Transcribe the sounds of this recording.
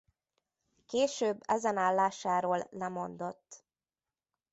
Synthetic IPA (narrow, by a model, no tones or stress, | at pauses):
keːʃøːbːɛzɛnaːlːaːʃaːɾoːlːɛmo̞nd̪o̞t̪ː